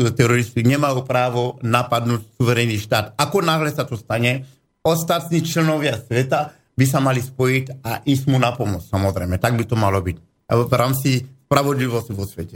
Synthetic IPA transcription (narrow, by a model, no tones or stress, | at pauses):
t̪ɛɾɔɾist̪iɲɛmajupɾaːʋɔnapad̪nuːcsuʋɛɾɛniːʃt̪aːt̪akɔnaɦlɛsat̪ɔst̪aɲɛ | ɔst̪at̪niːt͡ʃlɛnɔʋɪasʋɛt̪a | bis̬amalispɔjitaʔismunapɔmɔt͡ssamɔzɾɛ̰jmɛt̪aɡ̚bit̪ɔmalɔbic | vɾaːmt͡sispɾaʋɔd̪liʋɔsciʋɔsʋɛcɛ